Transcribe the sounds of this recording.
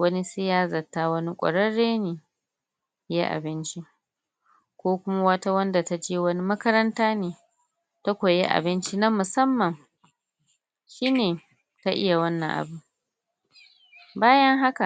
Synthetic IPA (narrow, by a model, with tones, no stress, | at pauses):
wɐ˦ni˦sɪ˦jaː˦zɐ˨tːaː˦wɐ˦ni˦kʷʼɐ̰˨ɽɐ˦ɽːeː˦neː˨ | je˦ʔa̰˨bɪ˦nt͡ʃi˦ | kʷoː˦kʷʊ˦ma˦wɐ˦ta˦wɐ˦nda˨ta˦d͡ʒeː˦wɐ˦ni˦mɐ˦kɐ˦ɾɐ˦ntaː˦neː˨ | ta˦kʷo˨jḛ˦ʔa̰˨bɪ˦nt͡ʃi˦nɐ˦mʊ˨sɐ˦mːɐ˨ŋ | ʃiː˦neː˨ | ta˦ʔɪ̰˦ja˨wɐ˦nːɐ˨ŋʔa̰˨bu˨ | baː˦jɐ˦ŋɦa˦ka˨ʔ